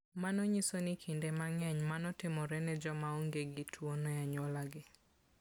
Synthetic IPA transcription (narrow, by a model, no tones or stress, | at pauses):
manɔɲisonikʰindemaŋɛɲmanɔtɪmɔɾɛnɛd͡ʒɔmaoŋɡeɡɪtʰwonɔjaɲɔlaɡɪ